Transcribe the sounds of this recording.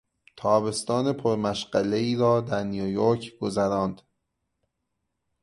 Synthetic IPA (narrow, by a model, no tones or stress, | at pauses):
t̪ʰɒːbe̞st̪ɒːne̞pʰoɾmæʃɢæleiːɾɒːd̪æɾnijujoɾcʰɡ̥ozæɾɒːnd̪̥